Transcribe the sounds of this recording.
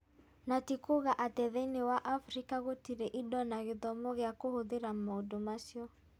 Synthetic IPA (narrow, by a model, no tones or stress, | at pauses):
natikoɣaʔatɛðɛnewaʔafɾikaɣotiɾeʔidɔnaɣeðɔmɔɣjakohoðeɾamodomasjɔ